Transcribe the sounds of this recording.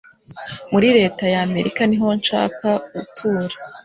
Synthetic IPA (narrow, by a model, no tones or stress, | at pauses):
muɾiɾe̞ːtajame̞ɾikaniɦo̞nʃa̰ːkautʰuːɾḁ